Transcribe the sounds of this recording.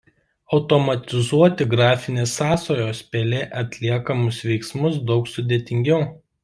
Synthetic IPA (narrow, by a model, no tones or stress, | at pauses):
ɒʊt̪ɔmɐt̪ʲɪzuɔt̪ʲɪɡɾɑːfʲɪnʲeːsːɑːsoːjoːspʲelʲeːʔɐt̪ʲlʲiɛkɐmʊsʋʲɛɪksmʊs̬d̪ɒʊksʊd̪ʲeːt̪ʲɪŋʲɡʲɛʊ